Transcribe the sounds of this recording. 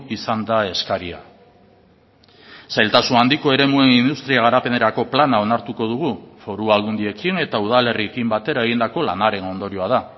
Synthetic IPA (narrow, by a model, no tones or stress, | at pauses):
isand̪ae̞skaɾia̰ | sajlt̪asunand̪iko̞e̞ɾe̞mue̞nind̪ust̪ɾiaɣ̞aɾape̞ne̞ɾako̞planao̞naɾt̪uko̞ð̞uɣ̞ufo̞ɾuald̪und̪ie̞kine̞t̪auð̞ale̞riekimbat̪e̞ɾae̞ɣ̞ind̪ako̞la̰naɾe̞no̞nd̪o̞ɾioað̞a